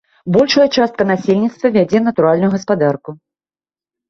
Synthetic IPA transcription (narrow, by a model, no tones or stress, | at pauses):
bɔlʲʂɐjɐt͡ʂast̪̚kɐnasʲelʲnʲit̪st̪vɐvʲad͡zʲɛnɐt̪uɾalʲnʊjuɣɐspad̪arku